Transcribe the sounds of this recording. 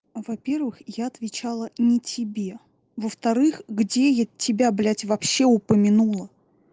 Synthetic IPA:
vɐpʲe̞rvɨxjaɐt̪vʲɪt͡ɕalˠənʲɪtʲɪbʲe̞ | vəft̪ɐɾɨxɡdʲejatʲɪbʲablʲætʲvɐpɕːe̞ʊpəmʲɪnulˠə

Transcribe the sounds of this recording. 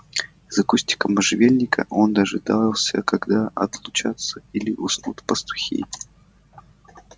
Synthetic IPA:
zɐkusʲtʲɪ̥kəmɐʐɨvʲelʲnʲɪkʰə̰ʔo̞nd̪aʐɨd̪alˠsʲə̰kɐɡd̪aʔɐt̪lˠʊt͡ɕat̪səilʲɪʔʊsnut̪pəst̪ʊ̥xʲḛj

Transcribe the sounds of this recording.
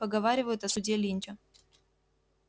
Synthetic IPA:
pəɡɐvaɾʲɪvəjʊt̪ɐsʊdʲelʲinʲtʲʊ

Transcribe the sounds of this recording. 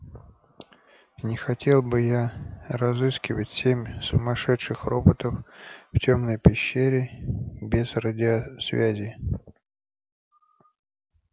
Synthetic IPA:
nʲɪxɐtʲʰe̞lˠbɨjarɐzɨskʲɪvətʲsʲemʲsʊmɐʂɛt̪ʂɨxro̞bət̪əfftʲo̞mnəjpʲɪɕːeɾʲɪbʲɪzrədʲɪɐsvʲæzʲɪ

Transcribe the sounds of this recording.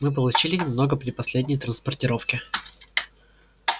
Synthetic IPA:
mɨp̬əlˠʊt͡ɕilʲɪnʲɪmno̞ɡəpɾʲɪpɐsʲlʲedʲnʲɪjt̪ɾənspərtʲɪɾo̞fkʲɪ

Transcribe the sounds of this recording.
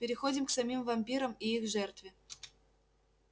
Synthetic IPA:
pʲɪɾʲɪxodʲɪmksɐmʲimvɐmʲpʲiɾəmiixʐɛrt̪vʲɪ

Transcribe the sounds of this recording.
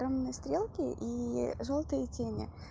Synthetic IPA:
ɾomnɨjəst̪ɾʲelˠkʲɪʔiʐolˠt̪ɨjətʲenʲɪ̰

